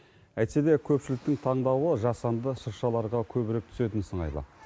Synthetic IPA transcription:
æjt̪se̞d̪e̞kʲʰɵpʃɪlɪk̚t̪ɪŋt̪ʰɑɴd̪ɑwəʒɑsɑnd̪əʃəɾʃɑlˠɑɾʁɑkʲʰɵbɪɾep̚t̪ʰʏ̥se̞t̪ɪnsəɴɑ̰jlˠɑ̰

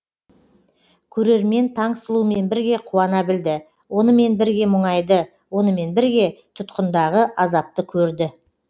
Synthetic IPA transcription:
kʲʰɵɾe̞ɾme̞nt̪ʰɑɴsəlˠume̞nbɪɾɡʲe̞qʰuɑnɑbɪld̪ɪ | wo̞nəme̞nbɪɾɡʲe̞mʊɴɑjd̪ə | wo̞nəme̞nbɪɾɡʲe̞t̪ʰʊt̪qənd̪ɑʁəʔɑzɑp̚t̪əkʲʰɵɾd̪ɪ

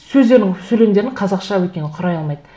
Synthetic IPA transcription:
sɵzd̪e̞ɾnɪŋsɵle̞md̪e̞ɾɪɴqʰɑzɑqʃɑwekʲe̞nɪɴqʰʊɾɑjɑlˠmɑjd̪ə

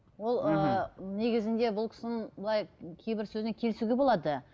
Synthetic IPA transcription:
wo̞lˠəne̞ɡʲɪzɪnd̪e̞bʊlˠkʲʰɪ̥sɪnɪɴbəlˠɑjkʲʰejbɪɾsɵzneŋkʲʰe̞lɪsuɡʲebo̞lˠɑd̪ə

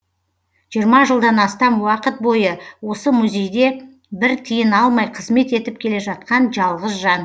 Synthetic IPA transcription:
ʒijəɾmɑʒəlˠd̪ɑnɑst̪ɑmwɑqət̪̚bo̞jəwo̞səmuzʲe̞jd̪e̞ | bɪɾt̪ʰijɪnɑlˠmɑjqʰəzme̞t̪e̞t̪ɪp̚kʲʰe̞le̞ʒɑt̪̚qɑnʒɑlˠʁəzʒɑn

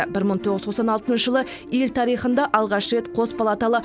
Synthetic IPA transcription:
bɪɾməɴt̪ʰoʁəzt̪ʰosɑnɑlˠt̪ənʃəʒəlˠə | elt̪ʰɑɾijχənd̪ɑʔɑlˠʁɑʃɾe̞t̪qʰo̞spalˠat̪ɑlˠə

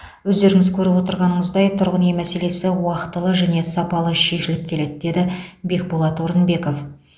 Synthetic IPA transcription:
wɵzd̪e̞ɾɪŋɪzkʲʰɵɾɪpwo̞t̪əɾʁɑnəɴəzd̪ɑjt̪ʰʊɾʁənjemæse̞le̞sɪwɑqt̪əlˠəʒæne̞sɑpɑlˠəʃe̞ʃɪlɪp̚kʲʰe̞le̞d̪ɪd̪e̞d̪ɪbe̞k̚bolˠɑt̪o̞ɾənbe̞ko̞f

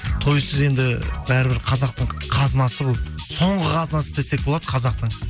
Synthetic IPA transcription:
t̪ʰo̞jsəze̞nd̪ɪbæɾɪbɪɾqʰɑzɑq̚t̪əɴqʰɑznɑsəbolˠso̞ɴʁəqʰɑznɑsəd̪ese̞k̚bolˠɑd̪əqʰɑzɑq̚t̪əɴ

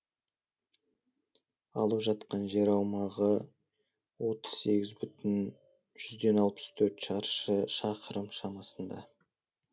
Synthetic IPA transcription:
ɑ̰lˠəpʒɑt̪qɑnʒe̞ɾɑwmɑʁə | wo̞t̪ə̥z̥se̞ɡʲɪzbʏt̪ɪn | ʒ̥ʏzd̪e̞nɑlˠpə̥st̪ʰɵɾt̪ʃɑɾʃəʃɑqəɾəmʃɑmɑsənd̪ɑ̰

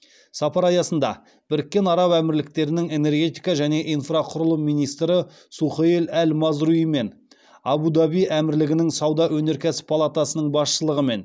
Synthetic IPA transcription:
sɑpɑɾɑjɑsənd̪ɑ̰ | b̥ɪɾɪkʲːe̞nɑɾɑwæmɪɾlɪk̚t̪e̞ɾɪnɪŋe̞ne̞rɡʲe̞t̪ijkɑʒæne̞ʔijnfraqʰʊɾəlˠəmːijnijst̪ɾə | suχəelælmɑzɾuime̞n | ɑbud̪ɑbijæmɪɾlɪɡʲɪnɪŋsɑwd̪ɑʔwɵne̞ɾkʲæsɪ̥pʰalˠat̪asənəɴbɑsʃəlˠəʁəme̞n

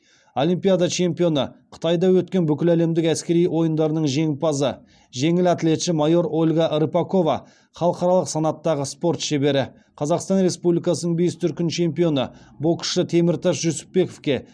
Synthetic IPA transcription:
o̞lʲijmpʲijad̪ɑt͡ʃʰe̞mpijo̞nəqʰə̥t̪ɑjd̪ɑwɵt̪̚kʲe̞nbʏkʲɪlæle̞md̪ɪkæskʲe̞ɾijwo̞jənd̪ɑɾənəɴʒe̞ŋɪpɑzə | ʒe̞ŋɪlɑt̪le̞t̪ʃɪmɑjo̞ɾo̞lʲɡɑʔɾəpɑko̞vɑ | χɑlˠəqɑɾɑlˠəqsɑnɑt̪ːɑʁəspo̞ɾt̪ʃe̞be̞ɾɪ | qʰɑzɑqst̪ɑnɾe̞spublʲijkɑsənəɴbe̞st̪ʰʏɾkʲɪnt͡ʃʰe̞mpijo̞nə̰bo̞kʃət̪ʰe̞mɪɾt̪ɑʃʒɵsɪ̥pːe̞ko̞fkʲe̞

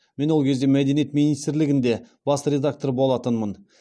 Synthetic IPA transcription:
me̞nwo̞lˠkʲʰe̞zd̪e̞mæd̪e̞nije̞t̪minijst̪ɾlɪɡʲɪnd̪e̞ | b̥ɑst̪əɾʲe̞d̪ak̚t̪oɾbo̞lˠɑt̪ənmən

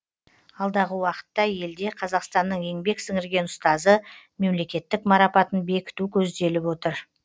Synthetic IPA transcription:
ɑlˠd̪ɑʁəwɑqə̥t̪ːɑje̞ld̪e̞qʰɑzɑqst̪ɑnːəɴe̞ŋbe̞ksɪŋɪɾɡʲe̞nʊst̪ɑzəme̞mle̞kʲe̞t̪ːɪkmɑɾɑpɑt̪ənbe̞kʲɪ̥t̪ukʲʰɵzd̪e̞lɪpwo̞t̪əɾ

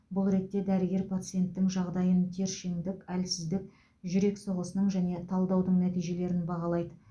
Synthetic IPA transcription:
bʊlˠɾe̞t̪ːe̞d̪æɾɪɡʲe̞ɾpʰat̪sɨje̞nt̪ːɪŋʒɑʁd̪ɑjənt̪ʰe̞ɾʃeŋd̪ɪkælsɪzd̪ɪk̚ | ʒʏɾe̞kso̞ʁəsənəɴʒæne̞t̪ʰɑlˠd̪ɑwd̪əɴnæt̪ijʒe̞le̞ɾɪnbɑʁɑlˠɑjd̪ə

